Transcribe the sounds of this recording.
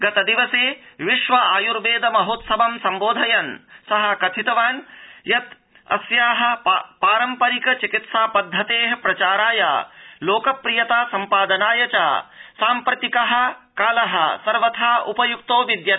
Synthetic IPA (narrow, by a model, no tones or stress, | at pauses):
ɡɐt̪ɐd̪iʋɐseːʋiʃʋɐaːjuɾʋeːd̪ɐmɐɦoːt̪sɐbɐmsɐmboːd̪ʱɐjɐnsɐɦɐ̆kɐt̪ʰit̪ɐʋaːnjɐt̪ | ɐ̰sjaːɦɐ̆paːɾɐmpɐɾikɐt͡ʃikit̪saːpɐd̪ʱːɐt̪eːɦɐpɾɐt͡ʃaːɾaːja̰ːloːkɐpɾijɐt̪aːsɐmpaːd̪ɐnaːjɐt͡ʃa̰ːsaːmpɾɐt̪ikɐɦɐ̆kaːlɐɦɐ̰̆sɐɾʋɐt̪ʰaːupɐjuk̚t̪oːʋid̪jɐ